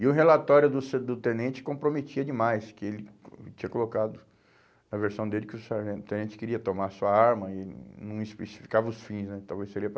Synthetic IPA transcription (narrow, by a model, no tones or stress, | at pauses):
ɪʊɦelat̪ɔɾjʊd̪ʊsed̪ʊt̪ẽnẽt͡ʃɪ̥kõpɾomet͡ʃiɐd͡ʒɪmajskɪelɪt͡ʃĩɲɐkolokad̪ʊ | nɐveɾsɐ̃w̃d̪elɪkɪʊsaɾʒẽt̪ẽnẽt͡ʃɪ̥kɪɾiɐt̪omaɾsuɐaɾmɐɪnɐ̃w̃ɪspesi̥fi̥kavɐʊsfĩsnɛt̪awvejseɾiɐp